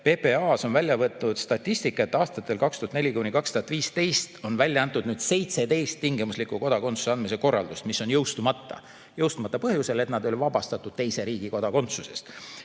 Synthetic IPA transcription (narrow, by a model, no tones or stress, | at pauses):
pe̞peɑːso̞nvælʲjɑvɤt̪nud̪̥st̪ɑt̪ˑːisʲt̪ikːˑɑet̪ːɑːst̪ɑt̪ːˑe̞lkɑkst̪uhɑt̪ne̞lʲikunʲikɑkst̪uhɑt̪viːst̪e̞jst̪o̞nvælʲjɑɑnt̪ːˑud̪̥nyːd̪̥se̞jt̪se̞t̪e̞jst̪ːiŋɡ̥imuslikˑuko̞d̪̥ɑko̞nsu̥seɑnd̪̚miseko̞rːɑ̰ld̪ust̪misːo̞njɤwst̪umɑt̪ːɑ̰ | jɤwst̪umɑt̪ːɑpɤhjuse̞le̞t̪nɑd̪o̞lʲivɑbɑst̪ɑt̪ˑːud̪̥̚t̪e̞jse̞ɾiːɡ̥iko̞d̪̥ɑko̞nt̪suse̞̰st̪